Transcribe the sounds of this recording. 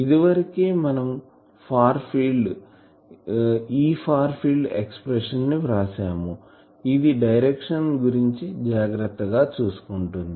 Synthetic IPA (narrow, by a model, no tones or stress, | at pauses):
id̪iʋɐɾikeːmɐnɐm | pʰaːɾpʰiːlɖ | iːpʰaːɾpʰilɖekspɾeʂɐnːiɾaːsaːmu | id̪iɖɐjɾekʂɐnɡuɾiɲt͡ʃid͡ʒaːɡɾɐt̪ːɐɡaːt͡ʃuːsu̥kuɳʈund̪i